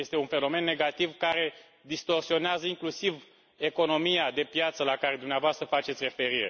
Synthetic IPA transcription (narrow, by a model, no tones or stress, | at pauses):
jest̪e̞unfe̞no̞me̞nːeɡat̪ivkaɾe̞ | d̪ist̪o̞rsio̞neazəiŋklusiv | e̞ko̞no̞mijad̪e̞pjat̪səlakaɾe̞d̪umneavoast̪ɾəfat͡ʃe̞t̪sʲre̞fe̞ɾiɾe